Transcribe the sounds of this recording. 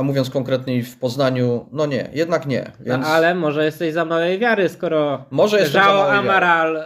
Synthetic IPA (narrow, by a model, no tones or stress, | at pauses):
muvʲjɔnt̪kɔŋkɾɛt̪ɲefpɔznaɲunɔɲɛ̰jɛd̪̚nakɲɛ̰vʲjɛnalɛmɔʐɛjɛst̪ɛʑzamawɛjvʲjaɾɘskɔɾɔmɔʐɛjɛʐawɔamaɾal